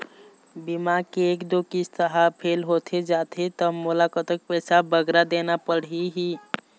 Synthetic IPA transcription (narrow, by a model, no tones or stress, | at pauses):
bimakeːkd̪okist̪əɦapʰelɦot̪ʰed͡ʒat̪ʰet̪əmolakət̪ək̚pɛsabəɡɾad̪enapəɽiɦi